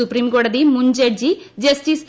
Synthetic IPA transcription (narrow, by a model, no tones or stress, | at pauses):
upɾimɡɔɽɐd̪imuɲd͡ʒeɖ̚d͡ʒid͡ʒɐsʈis